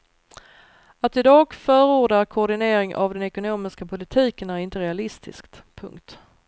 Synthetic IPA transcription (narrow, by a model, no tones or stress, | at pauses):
at̪ɪd̪ɑːɡfœːɾuːɖaɾkʰɔːɖɪneːɾɪŋʔa̰vd̪ɛnɛkʊnoːmɪskapʰʊlɪt̪ʰiːkənæɾɪnt̪əɾɛalɪst̪ʰɪ̰skt̪pʰɵ̰ŋkt̪